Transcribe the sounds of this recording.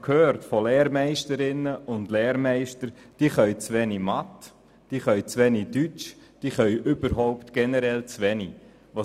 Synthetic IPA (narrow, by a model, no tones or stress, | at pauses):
kʰhøːɾtfolɛːɾmɛɪʃtəɾɪnːəʔʊndlɛːɾmɛɪʃtəɾd̥iːχœɥt͡sʋɛnimɑt | d̥iːχœʏt͡sʋɛnidyt͡ʃ | d̥iːχœʏʔʏb̥əɾɦɔʊptɡ̥ɛnəɾɛlt͡sʋɛni | ʋɑ